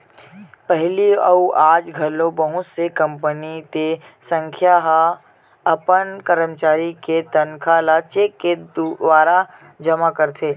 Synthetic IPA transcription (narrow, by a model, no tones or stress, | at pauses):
pɛɦliɐuaːd͡ʒɡʱɐlõbəɦʊ̃t̪sekɐ̃mpənit̪e | sə̃ŋkʰjaɦ | ɐpənkɐɾəmt͡ʃaːɾiket̪ɐnkʰalat͡ʃeːkːeʋaːɾa | d͡ʒɐmakɐɾt̪ʰeː